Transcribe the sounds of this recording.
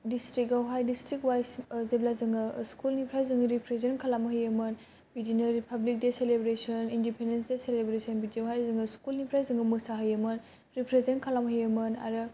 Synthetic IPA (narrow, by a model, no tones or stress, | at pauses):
distɾik̚ɡawɦajdistɾikwajszeblazɯŋɡɯskulnipʰɾajzɯŋɡɾipʰɾezenkʰalamɐɦəjɐmɯn | bidinɐɾipʰablik̚deselebɾesɔnindipʰendensdeselebɾesɔnbidawɦajzɯŋɡɯskulnipʰɾajzɯŋɡɯmɯsaɦɯjɐmɯn | ɾipʰɾezenkʰalamɐɦəjɐmɯna̰ɾɯ